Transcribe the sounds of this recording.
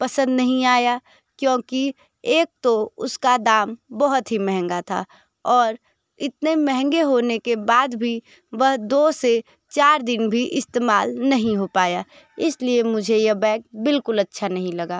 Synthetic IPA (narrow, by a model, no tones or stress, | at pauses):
pəsə̃nd̪nɐɦĩaːja | kjõːki | eːk̚t̪oʊskad̪aːmbɔɦʊt̪ɦimɛɦɛ̃ŋɡat̪ʰa̰ː | ɔːɾ | ɪt̪nemɛɦɛ̃ŋɡeɦoːnekebaːd̪bʱi | ʋəɦd̪oːse | t͡ʃaːɾd̪ɪnbʱiʔɪst̪eːmaːlnɐɦĩɦopaːja | ɪsliemʊd͡ʒʱejɐbɛːk̚bɪlkʊlɐtːʃʰanɐɦĩlɐɡaː